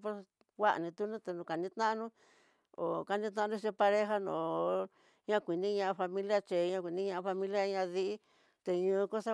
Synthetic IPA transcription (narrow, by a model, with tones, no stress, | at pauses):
po˦s | wʷa˦ʔnĩ˧t̪u˦nũ˦t̪e˧nũ˧ka˨nĩ˦t̪nã˦ʔa˦nũ˦ | o̰˨ka˧nĩ˦t̪̬nã˦ã˧ũ˦˧t͡ʃi˧pa˧ɾe˦ɦa˦nõ̰˨˧ | ɲã˦˧kʷi˨nĩ˦ɲã˧ʔa˧fa˧mĩ˦lja˦t͡ʃe˨˧ɲã˧kʷi˨nĩ˦ɲã˧ʔa˧fa˧mĩ˦lja˦˧ɲã˧ði˧i˦ | t̪e˧ɲũ˧ko˦sa˦